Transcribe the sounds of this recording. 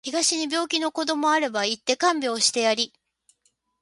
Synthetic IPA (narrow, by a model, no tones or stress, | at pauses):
çiɡaɕiɲ̟ibʲo̞ːkʲino̞ko̞d̪o̞mo̞aɾe̞bait̪ːe̞kãmbʲo̞ːɕi̥t̪e̞jaɾʲi